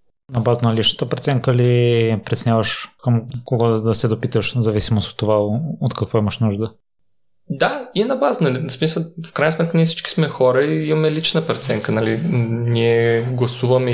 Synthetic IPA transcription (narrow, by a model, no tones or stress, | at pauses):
nɐbazənɐlit͡ʃnə̥t̪əpɾt̪sɛŋkəlipɾɛt̪snʲjavəʃkəmkoɡɔd̪əsɛd̪opit̪əʃzɐvisimoso̥t̪ːovaot̪kɐkvɔiməʃnuʒd̪ə | d̪aiɛnɐbazənɐlismisəfkɾajnsmɛt̪kəniɛfsi̥t͡ʃki̥smɛxɔɾəiimɐmɛlit͡ʃnəpɾt̪sɛŋkənɐliniɛɡlˠɐsuvɐmɛ